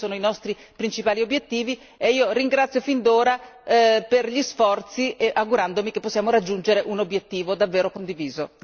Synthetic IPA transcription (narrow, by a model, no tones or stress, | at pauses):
oːnoinɔst̪ɾi | pɾint͡ʃipaːliobːjet̪ːiːvi | eiːoɾiŋɡɾat̪sjofind̪oːɾaperʎisfɔrt̪siʔeʔaɡuɾand̪omikepːosːjaːmoɾad͡ʒːund͡ʒeɾeʔunobjet̪ːiːvod̪avːeːɾokond̪iviːzo